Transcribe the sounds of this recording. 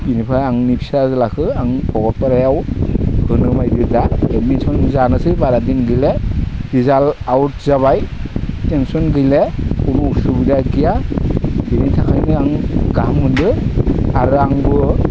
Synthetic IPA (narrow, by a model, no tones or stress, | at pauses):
binipʰaaŋnipʰi̥sazɯlakʰɯaŋpʰɔɡɔt̚paɾajawhɯnɯmajbiɾdaemisʰɔnzanɯsɯbaɾadinɡɯjled̥izalawt̚zaβajtensɔnɡɯjleunuusubidaɡija | binitʰakʰajnɯaŋɡamːɯndɯaɾɯaŋbɯ